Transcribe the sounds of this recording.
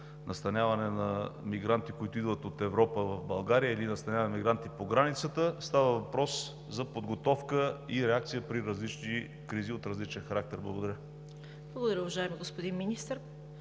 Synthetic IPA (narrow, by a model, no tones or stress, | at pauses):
nʔɐst̪ɐnʲjavɐnɛnɐmiɡɾant̪ikoit̪ʊid̪vət̪ot̪ɛvɾɔpəvɐvbɐlˠɡaɾijəilinɐst̪ɐnʲavɐnɐmiɡɾant̪ipoɡɾanit̪sət̪əst̪avəvɐpɾɔs | zɐpod̪ɡot̪ɔfkəiɾɛakt̪sijəpɾiɾɐzlit͡ʃni | kɾiziot̪ɾɐzlit͡ʃɛnxɐɾak̚t̪ɛɾblˠɐ̰ɡod̪ɐɾʲə | blˠɐɡod̪ɐɾʲəʊvɐʒaɛmiɡospod̪inminist̪əɾ